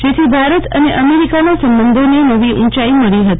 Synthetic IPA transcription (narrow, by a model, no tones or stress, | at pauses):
d͡ʒet̪ʰibʱaɾət̪ə̰neʔəmeɾikanasəmbənd̪ʱonenəʋiʔũt͡ʃaiməɭiɦət̪i